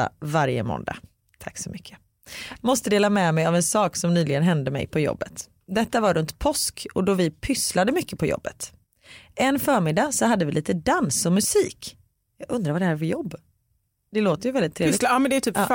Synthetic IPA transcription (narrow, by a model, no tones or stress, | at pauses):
a̰vaɾjə̰mɔ̰nd̪a̰ | t̪ʰaksɔmʏkʰːə̥ | mɔst̪əd̪eːlamɛmɛjavɛnsɑːksɔmnyːlɪɡənɦɛnd̪əmɛ̰jpʰɔjɔ̰bːət̪ | d̪ɛt̪ːavaɾɵnt̪pʰɔskɔd̪ɔvɪpʰʏslad̪əmʏkːəpʰɔjɔ̰bːət̪ | ʔɛnːfœːɾmɪd̪asɔɦad̪ːəvɪliːt̪əd̪ansɔmɵsiːk | jɑːɡɵnd̪ɾaɾvaɖ̪ɛhæːɾfœjɔbː | d̪̥ɛloːt̪əɾjʏvɛldɪt̪ʰːɾeːɪmɛnd̪ɛæt̪ʰyːpː